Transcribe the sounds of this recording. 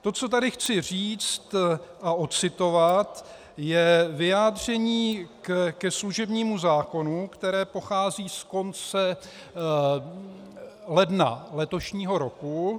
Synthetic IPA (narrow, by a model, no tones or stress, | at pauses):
t̪o̞t͡so̞t̪̬adɪxt͡sɪr̝iːt͡st̪ʔaot͡sɪt̪o̞vat̪ | jɛvɪjaːd̪r̝ɛɲiːkkɛsluʒɛbɲiːmuzaːko̞nukt̪ɛɾɛːpo̞xaːziːsko̞nt͡sɛ | lɛdna̰lɛt̪o̞ʃɲiːɦo̞ɾo̞ku